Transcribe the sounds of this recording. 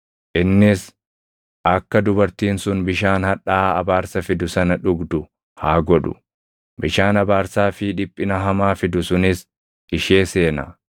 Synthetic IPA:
ʔɪnːɪs | ʔɐkːɐd̪ʊbɐɾt̪iːnsʊnbɪʃaːnhɐᶑaːɐbaːɾsɐfɪd̪ʊsɐnɐᶑʊɡd̪ʊ | haːɡɔᶑʊ̰ | bɪʃaːnɐbaːɾsaːfɪᶑɪpʼːɪnɐɦɐmaːfɪd̪ʊsʊnɪs | ʔɪʃe̞ːseːnɐ̰

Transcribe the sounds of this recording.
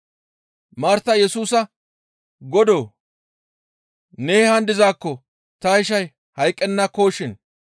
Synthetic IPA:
maːɾt̪ɐjɛsuːsɐ | ɡɔd̪oː | neːhɐnd̪ɪzaːkːɔ | t̪ɐhɪʃ̬ɐj | hɐjkʼːɛnːɐko̞ːʃɪn

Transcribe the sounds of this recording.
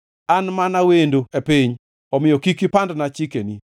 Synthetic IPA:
anmanawendoepiɲ | ɔmɪjɔkikipandnat͡ʃikeni

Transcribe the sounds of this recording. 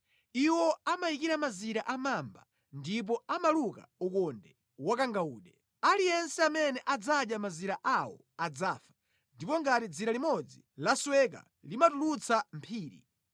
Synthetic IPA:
iwɔamajikiɾamaziɾaʔamamba̰ | ndip̬ɔamaluka̰ukɔndɛ | wakaŋɡauːɗɛ | alijɛnsɛamɛnɛʔad͡zaɗjamaziɾaʔawɔ̰ | ad͡zaːfḁ | ndipɔŋɡatid͡ziɾalimɔd͡zi | laswɛka̰ | limatulut͡sʰam̩pʰiːɾḭ

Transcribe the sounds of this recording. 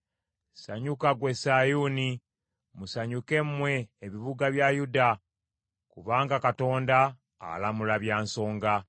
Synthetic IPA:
saɲukaɡwe̞sajuni | musaɲuke̞mwe̞ːβiβuɡaβjajuda | kuβaːŋɡakato̞ːnda̰ː | lamulaβjaːnso̞ːŋɡa

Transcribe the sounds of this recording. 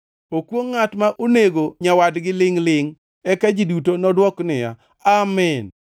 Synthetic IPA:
okwoŋːatmaʔoneɡoɲawadɡɪlɪŋlɪŋ | ɛkad͡ʒidutonɔdwɔknɪja̰ | amɛn

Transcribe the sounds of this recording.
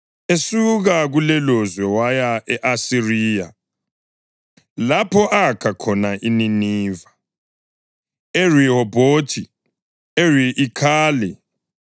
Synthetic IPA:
esuɣaɣulɛlɔzwɛwajaʔɛʔasiriːja̰ | lapʰɔʔakʰakʰɔnaʔininiːva | erihɔbotʰi | eriʔːkʰaːlɛ

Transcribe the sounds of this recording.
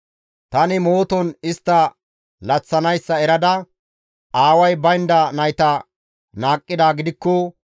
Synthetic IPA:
t̪ɐnɪmoːt̪ɔnɪst̪ːɐ | lɐt͡sːɐnɐjsːɐɛɾɐd̪ɐ | ʔaːwɐjbɐjnd̪ɐnɐjt̪ɐ | naːkʼːɪd̪aːɡɪd̪ɪkːɔ

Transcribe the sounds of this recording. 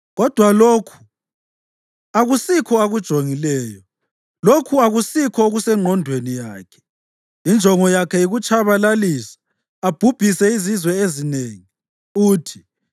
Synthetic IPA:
ɣɔd̥ʱwaloːkʰu̥ | aɣusikʰɔaɣud̥ʒ̥ʱoŋilɛːjɔ | lokʰuaɣusikʰɔoɣusɛŋ͡ǃʱɔndʱwenijaːkʰɛ̥ | ind͡ʒʱɔŋɔjakʰɛiɣut͡ʃʼʰaβalalisḁ | ab̥ʱub̥ʱisɛizizwɛezineːŋi | uːtʰi̥

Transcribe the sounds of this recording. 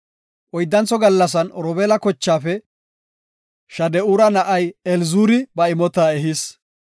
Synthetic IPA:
ʔɔjd̪ːɐnt͡sɔɡɐlːɐsɐnɾɔbɛːlɐkɔt͡ʃːaːfɛ | ʃɐd̪ɛuːɾɐnɐʔɐjɛlzuːɾɪbɐɪmɔt̪aːɛɦɪs

